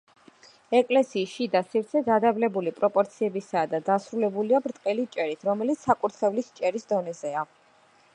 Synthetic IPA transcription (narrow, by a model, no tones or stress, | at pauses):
ɛkʼlɛsiːsʃid̪asiɾt̪sʰɛɡ̪ad̪ablɛbulipʼɾɔpʼɔɾt̪sʰiɛbisaːd̪ad̪asɾulɛbuliabɾt̪ʼqʼɛlit͡ʃʼɛɾit̪ʰɾɔmɛlit̪sakʼuɾt̪ʰχɛvlist͡ʃʼɛɾisd̪ɔnɛzɛa